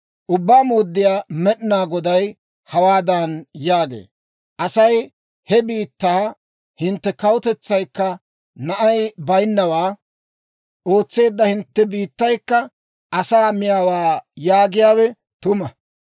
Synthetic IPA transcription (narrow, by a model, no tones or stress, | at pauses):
ʔʊbːaːmoːd̪ːɪjaːmɛɗɪnaːɡɔd̪ɐj | hɐwaːd̪ɐnjaːɡḛː | ʔɐsɐj | hɛbiːt̪ːaː | hɪnt̪ːɛkɐwʊt̪ɛt͡sːɐjkːɐ | nɐʔɐjbɐjnːɐwaː | ʔo̞ːt͡sːe̞ːd̪ːɐhɪnt̪ːɛbiːt̪ːɐjkːɐ | ʔɐsaːmɪjaːwaːjaːɡɪjaːwɛ | t̪ʊmɐ